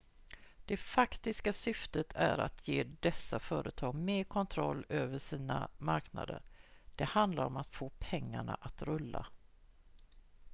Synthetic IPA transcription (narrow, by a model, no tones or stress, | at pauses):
d̪̥ɛfakt̪ɪskasʏft̪ət̪ʰæɾa̰t̪ʰjeːd̪ɛsːafœːɾʔət̪ʰɑːɡmeːɾkʰɔnt̪ʰɾɔlːøːvəʂiːna̰maɾkna̰d̪ə̰ɾɖ̪̥ɛhand̪laɾɔmat̪foːpʰɛŋːaɳa̰ʔat̪ɾɵlːa̰